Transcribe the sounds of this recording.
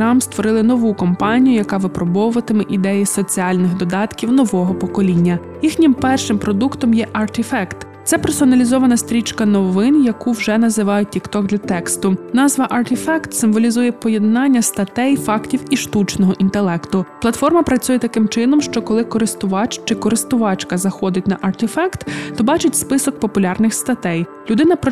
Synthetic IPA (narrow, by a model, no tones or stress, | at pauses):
ɾɑmst̪ʋɔɾɪlˠɪnɔʋukɔmpɑnʲijʊjɐkɑʋɪpɾɔbɔwʊʋɐt̪ɪmɪʔid̪ɛjisɔt͡sʲiɑlʲnɪɣd̪ɔd̪ɑt̪kʲiwnɔʋɔɦɔpɔkɔlʲinʲːɐ | jixnʲɪmpɛrʃɪmpɾɔd̪ukt̪ɔmjɛʔɐrt̪ɪfɛkt̪ | t̪sɛpersɔnɐlʲizɔʋɐnɐst̪ɾʲit͡ʃkɐnɔʋɪnjɐkuwʒɛnɐzɪʋɑjʊtʲːikt̪ɔɡd̪lʲɐt̪ɛkst̪ʊnɑzʋɐʔɐrt̪ɪfɛkt̪sɪmʋɔlʲizujɛpɔjɛd̪nɑnʲːɐst̪ɐt̪ɛjfɑktʲiwiʃt̪ut͡ʃnɔɦɔʔint̪elˠɛkt̪ʊplˠɐt̪fɔrmɐpɾɐt͡sʲujɛt̪ɐkɪmt͡ʃɪnɔmʃt͡ʃɔkɔlˠɪkɔɾɪst̪ʊʋɑt͡ʃt͡ʃɪkɔɾɪst̪ʊʋɑt͡ʃkɐzɐxɔd̪ɪtʲnɐʔɐrt̪ɪfɛkt̪t̪ɔbɑt͡ʃɪtʲspɪsɔk̚pɔpʊlʲɑrnɪxst̪ɐt̪ɛj | lʲʊd̪ɪnɐp